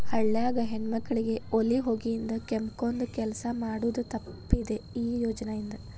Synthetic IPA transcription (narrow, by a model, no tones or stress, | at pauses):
hɐɭːaːɡɐɦeɳmɐkːɐɭiɡe̞o̞liɦo̞ːɡijind̪ɐkemko̞nd̪ukɛlɐsɐmaːɽuʋd̪ut̪ɐpːid̪e̞iːjoːd͡ʒɐnɐjind̪ɐ